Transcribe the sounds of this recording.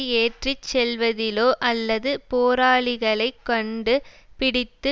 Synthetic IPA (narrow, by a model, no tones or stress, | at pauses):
eːʈrit͡ʃsɛlʋɐðɪloːʔɐlːɐðɯpoːɾaːɭɪɣɐɭɐɪkːɔɳɖɯ | pɪɽɪt̪ːɯ